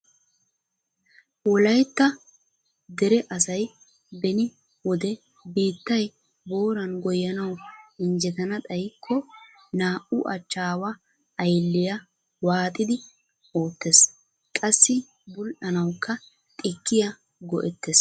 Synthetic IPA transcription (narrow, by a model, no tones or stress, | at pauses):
wɔlɐjt̪ːɐ | d̪ɛɾɛʔɐsɐj | bɛnɪ | wɔd̪ɛ | biːt̪ːɐj | bo̞ːɾɐnɡɔjːɐnɐwɪnd͡ʒɛt̪ɐnɐt̪ʼɐjkʰːɔ | naːʔʊʔɐt͡ʃːaːwɐː | jlːɪjɐ | waːt̪ʼɪd̪ɪ | o̞ːt̪ːes | kʼɐsːɪ | bʊlʔɐnɐwkːɐ | t̪ʼɪkːɪjɐ | ɡɔʔɛt̪ːes